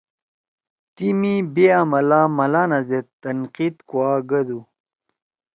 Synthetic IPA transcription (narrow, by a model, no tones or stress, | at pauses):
t̪imibeamɐlaːmɐlaːnɐzet̪ːɐnqiːt̪kwaːɡɐd̪u